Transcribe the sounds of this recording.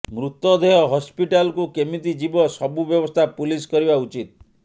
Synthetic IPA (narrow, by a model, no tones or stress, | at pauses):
mɾut̪ɔd̪ʱeɦɔɦɔspiʈalkukemit̪̬id͡ʒibɔsɔbubjɔbɔst̪ʰapuliskɔɾibaut͡ʃit̪̚